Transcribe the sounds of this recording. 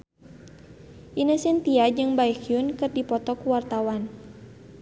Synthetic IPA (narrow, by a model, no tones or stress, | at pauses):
ʔinasɛnt̪iad͡ʒɨŋbaikjunkɨrdipɔt̪ɔkuwart̪awan